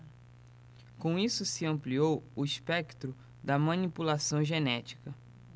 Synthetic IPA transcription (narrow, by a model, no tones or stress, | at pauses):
kõw̃isʊsɪɐ̃mpliowʊispɛkt̪ɾʊ | d̪ɐmɐ̃nipulasɐ̃w̃ʒenɛt͡ʃi̥kɐ